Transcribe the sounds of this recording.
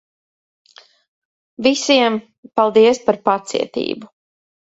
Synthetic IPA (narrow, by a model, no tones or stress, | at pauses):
visiɛm | palˠd̪iɛspaɾpat̪sḭɛt̪ḭːbu